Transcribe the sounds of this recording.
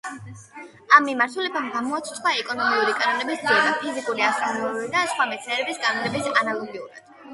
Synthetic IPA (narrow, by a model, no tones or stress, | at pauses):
amːimaɾt̪ʰulɛbamɡamɔat̪sʰt̪ʰχwaɛkʼɔnɔmiuɾikʼanɔnɛbisd̪ɾiɾḁpʰizikʼuɾiast̪ɔniid̪asχwamɛt̪sʰɛɾɛbisɡʼanɔnɛbisanalˠɔɡiuɾa̰d̪̥